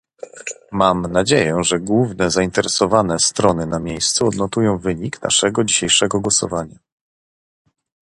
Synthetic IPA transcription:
mamnad͡ʑejɛʐɛɡwuvnɛzaint̪ɛɾɛsɔvanɛst̪ɾɔnɘnamʲjejst̪suɔd̪nɔt̪ujɔ̃w̃vɘɲikna̰ʂɛɡɔd͡ʑiɕejʂɛɡɔɡwɔsɔ̰vaɲa

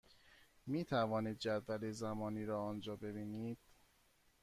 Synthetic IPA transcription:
miːt̪ʰævɒːniːd̪̚d͡ʒæd̪vælezæmɒːniːɾɒːɒːnd͡ʒɒːbebiːniːd̪̥

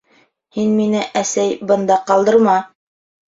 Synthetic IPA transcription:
hinminɘʔæsæjbɤ̆nd̪ɑqɑlˠd̪ɤ̆ɾmɑ

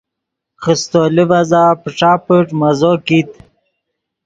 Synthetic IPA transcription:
χəst̪olivazaːpəʈ͡ʂaːpəʈmazokit̪

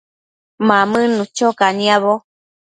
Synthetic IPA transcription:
mamɨ̃nũt͡ʃokaniaβo

